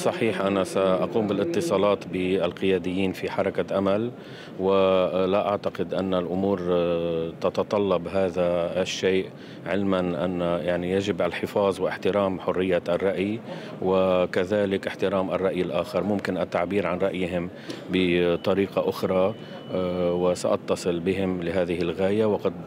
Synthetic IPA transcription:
sˤːɑħiːħʔanasaʔɑquːmbɪlʔɪt̪ːɨsˤɑːlɑːt̪bɪalqɪjaːd̪ɪjːiːnfiħɑɾˤɑkaʔamal | wɪlaʔaʕt̪aqɪd̪ʔanːalʔʊmuːɾ | t̪ɑt̪ɑt̪ˤɑlːɑbɦaːðaʃːeːʔ | ʕɪlmanʔa̰nːajaʕnijaʒɪbʔalħɪfɑːðˤwɪʔɪħt̪ɪɾaːmħʊrːɪjːaʔarˤːɑʔj | wɪkaðaːlɪkʔɪħt̪ɪɾaːmʔa̰rˤːɑʔjɪlʔaːxɪɾˤmʊmkɪnʔat̪ːaʕbiːɾʕanɾɑʔjɦɪm | bɪt̪ˤɑɾiːqɑʔʊxɾˤɑ | wɪsaʔɑt̪ːɑsˤɨlbɪɦɪmlɪɦaːðɪɦɪlɣaːjawɑqɑd̪

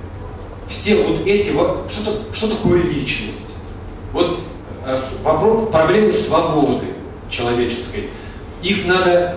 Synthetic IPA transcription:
fsʲe̞vo̞t̪ɛtʲɪvot̪ʂt̪o̞t̪əʂt̪o̞t̪ɐko̞jəlʲit͡ɕnəsʲtʲ | vo̞t̪ | svɐpɾopɾɐblʲe̞mɨsvɐbo̞d̪ɨ̰ | t͡ɕɪlˠɐvʲet͡ɕɪ̥skəj | ixnad̪ə

